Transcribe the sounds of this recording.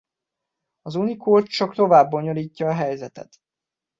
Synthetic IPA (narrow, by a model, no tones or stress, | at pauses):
ɒzunikoːt͡ʃt͡ʃɒkt̪o̞vaːbːo̞ɲo̞liːcːɒːɦɛjzɛt̪ɛ̰t̪